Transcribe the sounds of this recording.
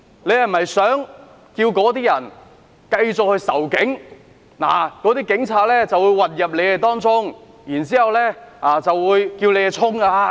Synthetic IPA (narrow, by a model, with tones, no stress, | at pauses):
ne˨˧jhɐ˨m˨ɦɐ˨jsœː˨˥ŋ | kiː˧wkɔː˨˥t̪iː˥jɐ˨˩n | kɐ˧jt͡sʊ˨k̚hɵ˧jsɐ̰˨˩wkɪ˨˥ŋ | na̰ː˨˩kɔː˨˥t̪iː˥kɪ˨˧˥ŋt͡sʰaː˧t̚lɛː˥t͡sɐ˨wuː˨˧jwɐ˨˩t̚jɐ˨p̬̚le˨˧jhɐ˨˧jt̪ɔː˥ŋt͡sʊ˥ŋ | jiː˨˩nt͡siː˨˥hɐ˨wlɛː˥aː˧˩t͡sɐ˨wwuː˨˧jkiː˧wle˨˧jɛ˨˧t͡sʰʊ˥ŋa˧a˧